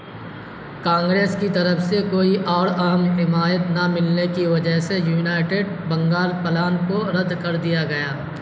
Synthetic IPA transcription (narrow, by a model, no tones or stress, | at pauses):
kãːŋɡɾeːskit̪ɐɾəfsekoːiʔɔːɾɐɦəmɦɪmaːjət̪namɪlnekiʋɐd͡ʒəɦsejuːnaːɪʈeːɖ | bɐ̃ŋɡaːlpəlaːnkoɾɐd̪kɐɾd̪ijaɡɐjaː